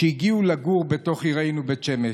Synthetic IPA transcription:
eiɡiulaɡuʁbeto̞χiʁejnubet͡ʃeme

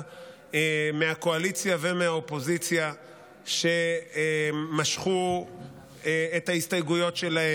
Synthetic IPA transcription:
emeako̞alit͡sjavemeaopo̞zit͡sja | ʃe̞ | maʃχu | eethaistajɡujo̞tʃelahe

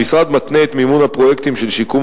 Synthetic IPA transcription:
isʁad̪mat̪neːt̪mimunhapʁojekt̪imʃelʃikum

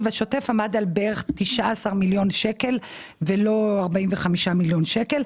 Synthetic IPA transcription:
vaʃo̞te̞famadalbeʁeχt̪iʃaːsaʁmiljo̞nʃeke̞lvelo̞aʁbainveχamiʃamiljo̞nʃeke̞l

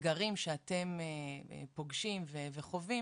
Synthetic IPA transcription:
ɡaʁimʃeate̞mḛpo̞ɡʃimveveχo̞vi

